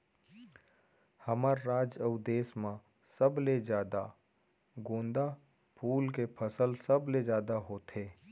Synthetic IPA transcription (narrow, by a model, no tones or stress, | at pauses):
həmaɾːaːd͡ʒəʊd̪eːsmã | səbled͡ʒjaːd̪a | ɡõːnd̪a | pʰuːlkepʰəsəlsəbled͡ʒjaːd̪aɦoːt̪ʰeː